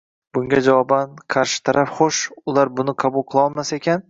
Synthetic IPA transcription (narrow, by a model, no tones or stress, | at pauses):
bʊŋɡʲad͡ʒavɒbanqʰɑɾʃɪ̥t̪ʰaɾapχoʃʊlˠaɾbʊnɪqʰɑbʊlˠqʰɨlˠɒlˠmasaekʲʰan